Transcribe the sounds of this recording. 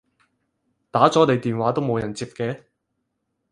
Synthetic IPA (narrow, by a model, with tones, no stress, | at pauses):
t̪aː˨˥t͡sɔː˨˥t̪e˨jt̪iː˨nwaː˨˥t̪o˥wmo˨˧wjɐ˨˩nt͡siː˧p̚kɛː˧